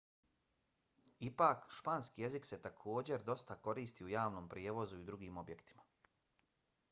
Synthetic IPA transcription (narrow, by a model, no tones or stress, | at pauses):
ipaːkʃpaːnskije̞zikse̞t̪akʰo̞ːd͡ʑe̞ɾd̪o̞st̪ako̞ɾiːst̪iːujaːʋnoːmpɾjeʋo̞zuid̪ɾuɡiːmo̞bje̞kt̪i̥mḁ